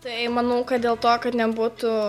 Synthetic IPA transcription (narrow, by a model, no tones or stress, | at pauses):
t̪ɐɪmɐnɐʊkɐt̪̚d̪ʲeːlˠt̪oːkɐt̪nʲɛbuːt̪ʊ